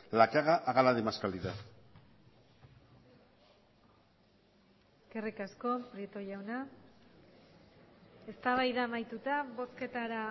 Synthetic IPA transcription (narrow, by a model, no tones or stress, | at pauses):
lakeaɣaʔaɣalaðemaskald̪iða | kerikasko̞pɾiet̪o̞ʝawna | e̞st̪aβajðamajt̪ut̪aβo̞ske̞t̪aɾa